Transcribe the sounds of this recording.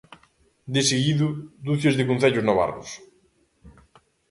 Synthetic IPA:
d̪ɪseɣiðʊd̪uθjozðɪkõnθeʎʊznɔβa̰ɾkʊs

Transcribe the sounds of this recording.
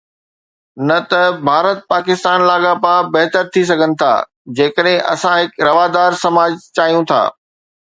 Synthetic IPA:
nɐt̪ɐbʱaːɾət̪̚paːkɪst̪aːnlaːɡapaːbɐɦt̪əɾt̪ʰis̬ɐɡʱənɪ̆t̪ʰa̰ː | d͡ʑeːkəɗɦẽʔɐ̰sãɦɪkɾɐʋaːd̪aːɾsɐmaːd͡ʑt͡ɕaːjũt̪ʰa̰ː

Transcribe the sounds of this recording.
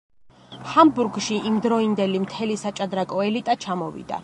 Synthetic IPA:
hambuɾɡʃiʔimd̪ɾɔind̪ɛlimt̪ʰɛlisat͡ʃʼad̪ɾakʼɔɛlit̪ʼat͡ʃʰamɔvḭd̪̥a̰

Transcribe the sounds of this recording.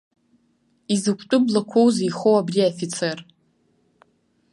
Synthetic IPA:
izɨkʷʰʼtʼʊblakʷʰowzijχowabriafit͡sʰer

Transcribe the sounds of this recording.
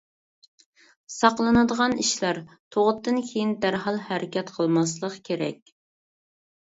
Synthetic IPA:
sɑqlˠɨnɨd̪əʁɑniʃlæɾt̪ʰoʁʊt̪ʰːɨnkʲʰejind̪æɾɦɑlˠhæɾɪkʲɛt̪qʰəlˠmɑs̬lˠəqkʲʰeɾɛ̰kʲ

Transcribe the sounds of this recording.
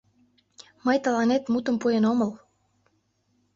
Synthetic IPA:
məjt̪əlɑnet̪mut̪əmpujenoməl

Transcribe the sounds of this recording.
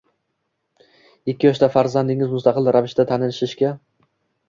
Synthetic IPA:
ɪkʲːɪjɒʃt̪afaɾzand̪ɪŋɪzmʊst̪ʰɑqɨlˠɾavɪʃt̪at̪ʰanɪlʃɪʃkʲa

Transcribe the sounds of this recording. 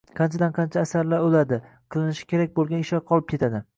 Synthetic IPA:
qʰɑnt͡ʃʰad̪anqʰɑnt͡ʃʰaːsaɾlaɾolad̪ɪ | qʰɨlˠɪnɪʃɪ̥kʲe̞ɾak̚ʲbolˠɡʲanɪʃɒqʰɒlˠɪp̚kʲe̞t̪ʰad̪ɪ

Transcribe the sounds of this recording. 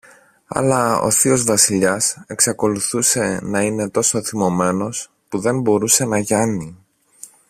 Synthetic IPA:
ɐ̰lɐo̰θio̞zvɐsiʎɐse̞ksɐko̞luθuse̞nɐine̞t̪o̞so̞θimo̞me̞no̞s | puðe̞mbo̞ɾuse̞nɐʝɐni

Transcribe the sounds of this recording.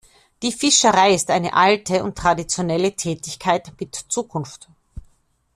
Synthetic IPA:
d̥iːfɪʃəʁaɪɪstʔaɪnə̰ʔaltʰəʊ̰ntːʁ̥adit͡sjonɛlətʰɛːtɪçkʰaɪtmɪtt͡suːkʰʊnft

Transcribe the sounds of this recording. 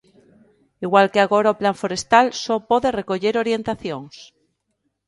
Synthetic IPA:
iɣwalkeaɣoɾaoplaɱfoɾest̪alsopoðerekoʎeɾoɾjent̪aθjoŋs

